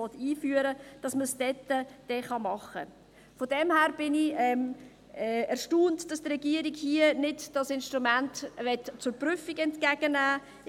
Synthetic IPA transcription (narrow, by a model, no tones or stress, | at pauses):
ɔtiːfyːəɾəd̥ɑsməsd̥ɛtːəd̥ɛχɑmɑχə̰ | fɔdɛmhæːɾb̥ɪnɪɛm | ɛɛɾʃtuːntd̥ɑstrɛɡiəɾiɡhiənɪdd̥ɑsɪnʃtʁumæntʋɛtt͡sʊɾpɾʏfiɡɛntkæɡənæː